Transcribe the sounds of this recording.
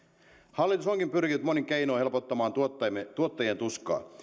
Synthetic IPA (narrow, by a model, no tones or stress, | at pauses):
hɑlːit̪usoŋkimpyrkinyt̪moniŋkeinoːhe̞lpot̪ːɑmɑːnt̪ːt̪uot̪ːɑjient̪uskˑɑ̰ː